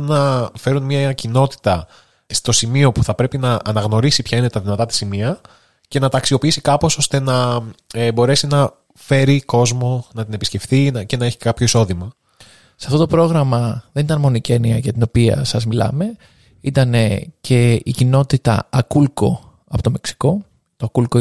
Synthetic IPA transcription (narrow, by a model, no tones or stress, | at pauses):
nɐfe̞ɾunmɲɐcino̞t̪i̥t̪ɐ | st̪o̞simio̞puθɐpɾe̞pinɐʔːnɐɣno̞ɾisipçɐine̞t̪ɐðinɐt̪ɐt̪i̥simiɐ | ce̞nɐt̪ɐksio̞piisikɐpo̞so̞st̪e̞nɐebo̞ɾe̞sinɐ | fe̞ɾiko̞zmo̞nɐt̪ine̞pisce̞fθinɐce̞nɐeçi̥kɐpço̞iso̞ðimɐ | sɐft̪o̞t̪o̞pɾo̞ɣɾɐmɐðenit̪ɐnmo̞niceniɐʝɐt̪ino̞piɐ̰sɐzmilɐ̰me̞ | it̪ɐne̞ce̞icino̞t̪it̪ɐ̰ɐkulko̞̰ | ɐpo̞t̪ome̞ksi̥ko̞ | t̪oɐkulko